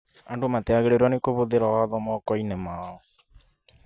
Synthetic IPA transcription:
andomateaɣeɾeɾwanekoβoðeɾawaðɔmɔkɔinɛmaɔ

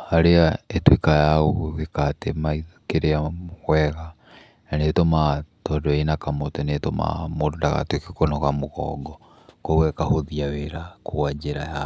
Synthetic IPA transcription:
haɾeaetwekajaɣoɣekatemaikeɾeaɣwɛɣa | nanetomatɔdɔenakamotɛnetoma̰moɾdaɣa̰twekekonɔɣamoɣɔ̰ɡɔ | kowɛkahoðiaweɾakoad͡ʒeɾaja

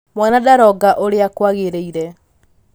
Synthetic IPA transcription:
mwanadaɾɔɡaʔoɾeakwaɣeɾeiɾɛ

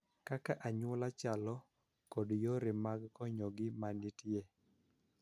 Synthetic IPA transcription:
kakaʔaɲwɔlat͡ʃalɔ | kodjoɾɪmaɡːɔɲɔɡɪmanɪtje

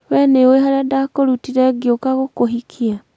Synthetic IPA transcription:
wɛneoeɦaɾadakoɾutiɾɛɡiokaɣokoɦikʰia

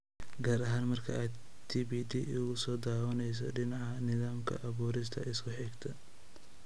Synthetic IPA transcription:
ɡaːɾɐɦaːnmɐrkʰɐaːd̪ | t̪ʰiːbiːd̪iʊɣʊsɔːd̪aːwɐnɛjs̬ɔ̰ɖɪnɑʕɐnɪðaːmkʰɐ̰ʔɐβuːɾɪs̬t̪ʰɐʔɪskʰʊħɪɡt̪ʰɐ

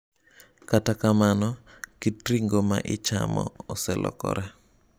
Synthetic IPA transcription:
katakamanɔ | kitɾiŋɡoma̰ʔɪt͡ʃa̰mɔ̰ɔsɛlʔɔ̰kɔ̰ɾɛ

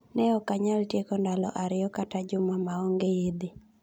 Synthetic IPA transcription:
nɛɔkaɲaltjekɔndalɔ̰ʔaɾɪjɔkatad͡ʒʊmamaɔŋɡejed̪e

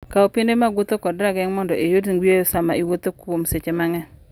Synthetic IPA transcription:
kaopindemaɡwʊt̪okɔdɾaɡɛŋmɔndɔʔejodiŋwjejosamaiwot̪okwomset͡ʃemaŋɛ

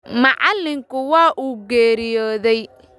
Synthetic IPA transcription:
mɐʕɑlːɪŋkʰʊwɑːʔuːɡɛːɾɪjɔːðɛj

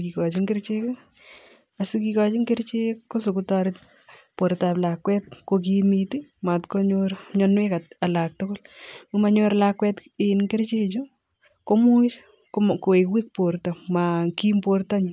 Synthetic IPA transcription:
kikɔt͡ʃɪŋɡeɾt͡ʃeka | asikikɔt͡ʃɪŋɡeɾt͡ʃekos̬okʊtɔɾɪt̚ | poɾtaplakwɛt̚kok̬imitimatkoɲoɾɲɔnwekatalak̚tʊkolmumaɲoɾlakwɛt | ɪnŋkeɾt͡ʃet͡ʃo | komʊt͡ʃ | koewik̚poɾtamakimportaɲ

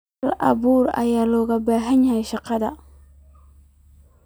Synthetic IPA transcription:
lʔɐ̰βuːrɐ̰jaːlɔːɣɐbaːɦɐɲahjʃɑqɑðɐ̰

